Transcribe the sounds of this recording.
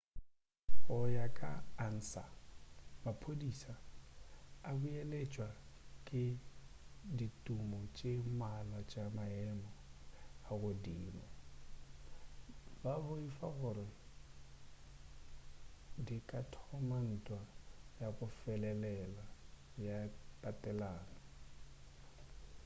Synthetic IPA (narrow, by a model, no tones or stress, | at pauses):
ɔjakʼa̰ːn̩ːsa̰ | mapʰodisaː | bujelet͡ʃʼwa | kʼɪ | ditʼumɔt͡ʃʼemalat͡ʃʼamaɛmɔ | aɣʊdiːmɔ | babʊifaɣʊɾɪ | dikʼatʰɔman̩tʼwajakʼʊfɛlɛlɛla | jatʼatʼɛlaːnɔ